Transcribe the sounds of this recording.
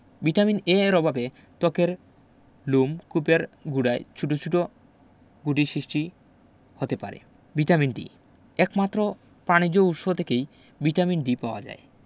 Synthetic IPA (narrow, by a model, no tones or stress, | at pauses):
biʈamineɾɔbabe | t̪ɔkeɾ | lumkupeɾɡuɖaet͡ɕʰuʈot͡ɕʰuʈo | ɡuɖiʃɾiʃʈi | hot̪epa̰ɾḛ | biʈaminɖḭ | ɛkmat̪ːɾo | panid͡ʑoutʃot̪ʰekej | biʈaminɖipaoa̰d͡ʑa̰e